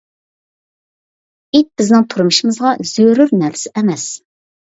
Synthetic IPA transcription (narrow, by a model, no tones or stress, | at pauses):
it̪̚b̥ɪznɪŋt̪ʰuɾmɨʃimɨzʁɑz̥øɾyɾnæɾsɪʔɛmɛs